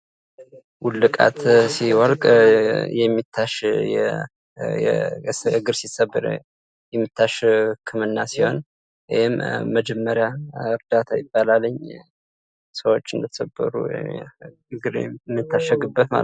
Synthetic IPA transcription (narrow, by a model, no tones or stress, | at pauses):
wulːɨkʼa̰t̪siwɔlkʼjɛmːit̪ʰːaʃjɛ̰ | jɛ̰ɨɡɨɾsisəbːɨɾ | jɛmːɨt̪ʰːaʃkʰːɨmɨnːasiho̞n | wijɪmːəd͡ʒɛmːəɾjaɨɾd̪at̪ʰajɪbːalalːəɲː | səwo̞t͡ʃːɨnd̪ət̪ʰə̥səbːə̰ɾṵ | ɡɨɾmːɨt̪ʰːaʃəɡɨbːət̪ma̰l